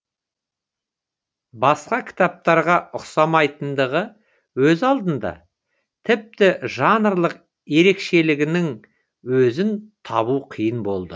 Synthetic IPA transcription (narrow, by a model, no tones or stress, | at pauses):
bɑsqɑkʲʰɪ̥t̪ɑp̚t̪ɑɾʁɑʊqsɑmɑjt̪ənd̪əʁə | wɵzɑlˠd̪ənd̪ɑ̰ | t̪ʰɪp̚t̪ɪʒɑnəɾlˠəq | je̞ɾe̞kʃe̞lɪɡʲɪnɪŋ | wɵzɪnt̪ʰɑβuqʰijənbo̞lˠd̪ə